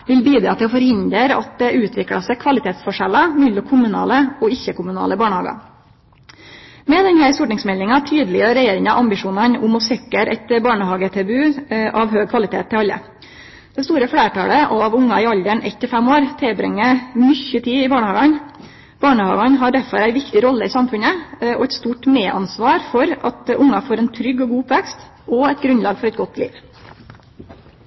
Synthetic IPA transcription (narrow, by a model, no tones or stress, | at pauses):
ʋɪlbiːd̪ɾɑ̰ːt̪ʰɪɔfɔɾhɪnd̪əɾɑ̰t̪̚d̪ɛʔʉːt̪ʰʋɪkɽɑ̰səkʰʋɑlɪt̪ʰeːt̪sfɔʂɛlɑmʏlːʊkʰʊmʉnɑ̰ːləɔɪçːəkʊmʉnɑ̰ːləbɑːɳəhɑ̰ːɡɑ̰ | mɛd̪ɛnhæɪsuʈnɪŋsmɛlɪŋɑt̪ʰyːd̪əlɪəɾɛjeːɾɪŋɑʔɑmbɪʂuːnɑnʊmɔsɛkːəɾʔɛ̰t̪bɑːɳəhɑːɡət̪ʰɛbʉːʔɑʋɦøːɡ̚kʰʋɑlɪt̪ʰḛːt̪ʰːɪɑlːə̰ | d̪̥ɛst̪uːɾəfɽeːʈɑ̰ːləʔɑʋʊŋːɑɪɑld̪əɳɛ̰t̪ːɪfɛmoːɾt̪ʰeːbɾɛ̰ŋːəmʏçːət̪ʰiːɪbɑːɳəhɑːɡɑn | b̥ɑːɳəhɑ̰ːɡɑnɦɑɖæfɔ̰ɾæɪʋɪkt̪ɪɾɔlːəɪsɑmfʉnəɔ̰ɛt̪st̪uːʈmeːʔɑ̰nsʋɑːɾfɔɾʔɑt̪ʔʊŋːɑfoːɾɛnt̪ʰɾʏɡːɔɡuːʊpʋɛkst̪ | ʔɔɛt̪ɡɾʉnlɑːɡfɔɾɛt̪ɡɔt̪ːʰlḭːʋ